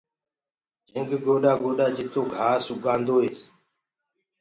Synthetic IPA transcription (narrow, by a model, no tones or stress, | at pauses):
d͡ʒʱə̃ŋɡɡoːɗaːɡoːɗaːd͡ʒɪt̪oːɡʱaːsʊɡãːnd̪oːɦeːs